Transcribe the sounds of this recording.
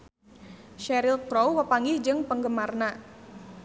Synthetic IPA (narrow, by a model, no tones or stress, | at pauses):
ʃɛɾilkɾowwəpaŋɡɪhd͡ʒɨŋpəŋɡəmarna